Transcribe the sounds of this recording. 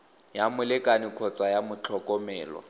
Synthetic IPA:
jamʊlɪkʼanɪkʰɔt͡sʼajamʊt͡ɬʰɔkʼɔmɛːlɔ̰

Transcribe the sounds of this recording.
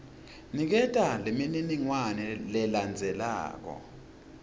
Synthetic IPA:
nik̬ɛtʼalemininiŋwanɛlɛland͡zʱɛla̰ːk̬ɔ̰

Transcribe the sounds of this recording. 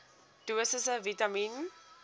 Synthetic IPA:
d̥uəsəsəvitamin

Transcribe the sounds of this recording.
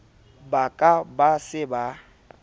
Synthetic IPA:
bakʼabasɪba

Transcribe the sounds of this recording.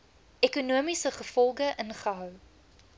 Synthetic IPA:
ekunuəmisəχəfɔlˠɡəʔənχəɦœw

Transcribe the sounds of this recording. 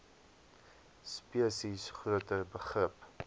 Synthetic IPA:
spiəsisχruətəbəχrəp

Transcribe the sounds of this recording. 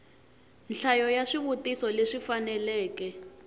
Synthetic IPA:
nɬajɔjaʂiβutisɔleʂifanɛlɛːkɛ

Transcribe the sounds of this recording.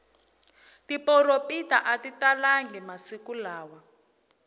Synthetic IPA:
tipɔɾopitaʔatitalaŋɡɛmasikulaːwa

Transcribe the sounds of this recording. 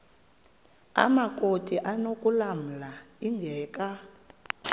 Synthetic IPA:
a̰makʼotʰʼiʔanokʼulam̩laiŋɡʱɛːkʼa

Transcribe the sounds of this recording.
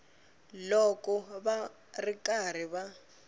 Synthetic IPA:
lɔkʼɔβa | rikar̤iβa

